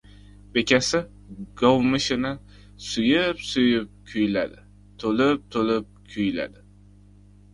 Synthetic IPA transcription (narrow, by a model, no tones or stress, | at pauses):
be̞kʲʰasɪ | ɡ̥owmɪʃɪnɪ | sʊjɪpsʊjɪp̚kʲʰʊjla̰d̪ɪ | t̪ʰolɪp̚t̪ʰolɪp̚kʲʰʊjla̰d̪ɪ